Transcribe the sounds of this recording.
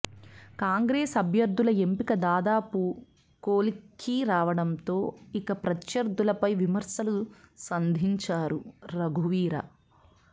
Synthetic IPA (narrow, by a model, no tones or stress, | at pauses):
kaːŋɡɾeːsɐbʱjɐɾd̪ʱːulɐe̞mpikɐd̪aːd̪aːpu | koːlikʰiɾaːʋɐɽɐmt̪o̞ːikɐpɾɐtjɐɾd̪ʱulɐpɐjʋimɐɾsɐlusɐnd̪ʱiɲt͡ʃaːɾuɾɐɡʱuʋiːɾɐ̰